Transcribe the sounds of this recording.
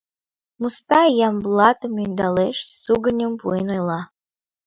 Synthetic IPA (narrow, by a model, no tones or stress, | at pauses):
must̪ɑjɑmblˠɑt̪əmynd̪ɑleʃsuɡənʲəmpuenəlɑ